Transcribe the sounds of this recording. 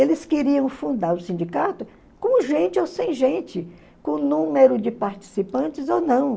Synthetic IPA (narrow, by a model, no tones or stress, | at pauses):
elɪskɪɾiɐ̃w̃fũnd̪aɾʊsĩd͡ʒikat̪ʊ | kõʒẽnt͡ʃɪosẽj̃ʒẽnt͡ʃɪ | kõnũmeɾʊd͡ʒɪpaɾt͡ʃi̥sipɐ̃nt͡ʃɪzonɐ̃w̃